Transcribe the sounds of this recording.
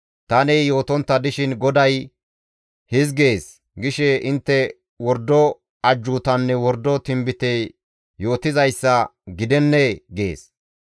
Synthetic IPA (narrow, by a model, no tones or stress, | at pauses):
t̪ɐnɛjo̞ːt̪ɔnt̪ːɐd̪ɪʃɪnɡɔd̪ɐj | hɪzɡe̞ːs | ɡɪʃɛʔɪnt̪ːɛ | wɔɾd̪ɔ | ɐd͡ʒːut̪ɐnːɛwɔɾd̪ɔt̪ɪmbɪt̪e | jo̞ːt̪ɪzɐjsːɐɡɪd̪ɛnːɛɡḛːs